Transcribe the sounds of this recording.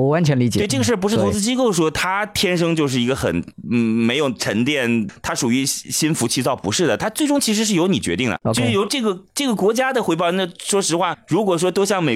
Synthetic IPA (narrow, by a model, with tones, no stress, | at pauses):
wa˧˥nt͡ɕʰɥɛ˧˥nli˧˥t͡ɕj̪ɪʈ͡ʂɤ˥˩ɡə˧ʂɻ̩˥˩pu˧˥ʂɻ̩˥t̪ʰʊ˧˥t͡s̩˥˧t͡ɕi˥ko˥˩ʊʂwɔ˥t̪ʰa˥t̪ʰjɛ˥nʂ̬ɤ˥ŋt͡ɕjo˥˧ʊʂɻ̩˥˩i˧˥ɡə˧xə̰˨˩n̩˥˩me˧˥ɪjo˨˩ʊʈ͡ʂʰə˧˥nt̪jɛ˥˩nt̪ʰa˥ʂu˨˩y˧˥ɕɕi˥nfu˧˥t͡ɕʰi˥˧t͡sɑ˥˩ʊpṵ˧˥ʂɻ̩˥˩d̪ə˩t̪ʰa˥t͡swe˥˩ʊ˥ŋt͡ɕʰi˧˥ʂ̬ɻ̩˧˥ʂɻ̩˥˩jo˧˥ʊni˨˩t͡ɕɥɛ̰˧˥t̪i˥˩ŋd̪ə̰˨o˥˧ʊʂɻjo˧˥ʊʈ͡ʂɤ˥˩ɡə˩ʈ͡ʂɤ˥˩ɡə˩kwɔ˧˥t͡ɕja˥d̪ə˨xwe˧˥ɪp̬ɑ˥˩ʊə˥nd̪ə˧ʂwɔ˥ʂɻ̩˧˥xwa˥˩ɻu˧˥kwɔ˨˩ʂ̬wɔ˥t̪o˥ʊɕ̬jɑ˥˩ŋme˨˩